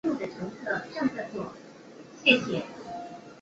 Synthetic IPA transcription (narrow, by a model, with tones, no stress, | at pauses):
mu˥˩d̪ə˩ʈ͡ʂʰɤ˧˥ŋt͡sʰɤ˥˩ʈ͡ʂɑ˥˧ŋt͡sa˥˧ɪt͡swɔ˥˩ | ɕjɛ˥˩ɕjɛ˨˩